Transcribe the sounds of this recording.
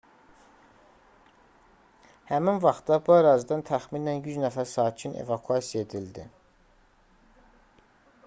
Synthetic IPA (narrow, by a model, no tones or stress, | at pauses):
hæminvɑχt̪d̪ɑbuæɾɑːzid̪ɑnt̪ʰæxminænjyznæfæɾsɑːcʰinḛvɑkʰyɑsijɑe̞d̪ild̪ḭ